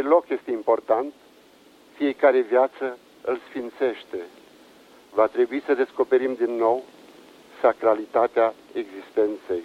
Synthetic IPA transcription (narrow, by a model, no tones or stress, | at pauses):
elo̞kje̞st̪e̞impo̞rt̪ant̪ | fije̞kaɾe̞vjat̪sə | ɨlsfint̪se̞ʃt̪e̞ | vat̪ɾe̞buisəd̪e̞sko̞pe̞ɾimd̪inːo̞w | sakɾalit̪at̪eae̞ɡzist̪e̞nt̪se̞j